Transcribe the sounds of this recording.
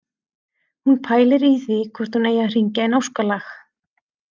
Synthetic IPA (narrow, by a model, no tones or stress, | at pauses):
hunpʰaːjlɪɾiθvikʰvɔɾ̥t̪huneːjar̥iɲcaɛnowskalax